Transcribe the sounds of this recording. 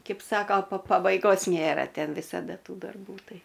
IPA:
ˈkʲɛɪp ˈsɑːkoː pɐ pɐbɐɪˈɡoːs ˈnʲeːrɐ ˈtʲɛn ʋʲɪsɐˈdɐ ˈtuː dɐrˈbuː ˈtɐɪ

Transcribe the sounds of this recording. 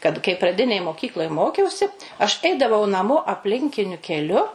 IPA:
kɐt kɐɪ prɐˈdʲɪnʲeːj moːˈkʲiːklˠoːj ˈmoːkʲɛʊsʲɪ ɐʃ ˈɛɪdɐʋɐʊ nɐˈmoː ɐpʲˈlʲɪŋʲkʲɪnʲʊ kʲɛˈlʲʊ

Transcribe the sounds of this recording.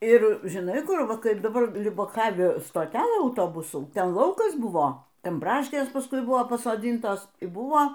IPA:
ɪr ʒʲɪˈnɐɪ ˈkʊr ˈʋɐ ˈkɐɪp dɐˈbɐr lʲʊbɐˈkɑːʋʲɪ stoːˈtʲæːlˠɘ ɐʊˈtoːbʊsuː ˈtʲɛn ˈlˠɐʊkɐs ˈbʊʋoː ˈtʲɛn ˈbrɑːʃʲkʲeːs pɐˈskʊɪ ˈbʊʋoː pɐsoːˈdʲɪntoːs iː ˈbuɔ

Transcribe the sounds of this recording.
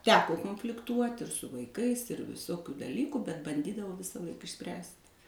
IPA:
ˈtʲæːkoː koːnʲfʲlʲɪkˈtuɔtʲ ɪr sʊ ʋɐɪˈkɐɪs ɪr ʋʲɪˈsoːkʲʊ dɐˈlʲiːkʊ bʲɛt bɐnʲˈdʲiːdɐʋɐʊ ʋʲɪsɐˈlˠɐɪk ɪʃʲˈsʲpʲrʲæːsʲtʲ

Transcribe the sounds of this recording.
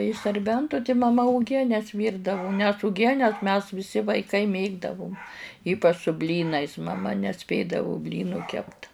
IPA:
ɪʃ sɐrʲˈbʲɛntʊ tʲɪ mɐˈmɐ ʊˈɡʲiɛnʲɛs ˈʋʲiːrdɐʋʊ nʲɛs ʊˈɡʲiɛnʲɛs mʲɛs ʋʲɪˈsʲɪ ʋɐɪˈkɐɪ ˈmʲeːɡdɐʋʊm ˈiːpɐt͡ʃ sʊ ˈbʲlʲiːnɐɪs mɐˈmɐ nʲɛˈsʲpʲeːdɐʋʊ ˈbʲlʲiːnuː ˈkʲɛpt

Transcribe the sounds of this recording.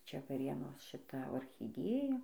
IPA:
ˈt͡ʃʲɛ ʋɐˈrʲeːnoːs ʃʲɪˈtɐ oːxʲɪˈdʲeːjɛ

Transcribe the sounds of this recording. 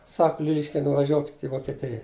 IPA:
sɐk ˈlʲɪlʲɪʃʲkʲɛɪ nʊʋɐˈʒʲuɔkʲɪtʲ ɪ ʋoːkʲɛˈtʲɪjɛ

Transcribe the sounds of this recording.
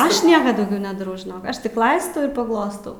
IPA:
ˈɐʃ ˈnʲiɛkɐ dɐʊˈɡʲɛʊ nʲɛdɐˈrɐʊ ˈɐʃ tʲɪk ˈlˠɐɪstɐʊ ɪr pɐˈɡlˠoːstɐʊ

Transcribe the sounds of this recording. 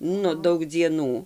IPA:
ˈnʊ ˈdɐʊk d͡zʲiɛˈnuː

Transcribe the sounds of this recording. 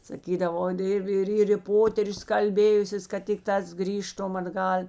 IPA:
sɐˈkʲiːdɐʋoː ˈɪr ˈɪr ˈɪr ɪ ˈpoːtʲɛrʲʊs kɐlʲˈbʲeːjʊsʲeːs kɐt ˈtʲɪkˌtɑːs ˈɡrʲiːʃtʊm ɐdˈɡɐlʲ

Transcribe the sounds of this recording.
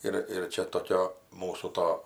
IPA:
ˈɪr ɪr ˈt͡ʃʲɛ toːˈkʲoː ˈmuːsuː ˈtoː

